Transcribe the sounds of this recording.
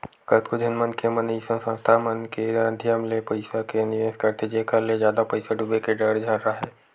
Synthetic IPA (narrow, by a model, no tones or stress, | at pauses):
kət̪kod͡ʒʱɐnmənkemənisə̃sə̃nst̪ʰamənkeɾãːd̪ʱjəmlepəɪsakenɪʋeːskɐɾt̪ed͡ʒeːkəɾlezjaːd̪apɐɪsaɖubekeɖəɽd͡ʒʱaːnɾaɦɛː